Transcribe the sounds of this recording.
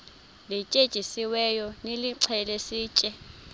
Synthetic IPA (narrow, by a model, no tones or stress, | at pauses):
lit͡ʃʼed̥ʒ̥ʱisiwɛjɔneliǀʰɛlesiːt͡ʃʼɛ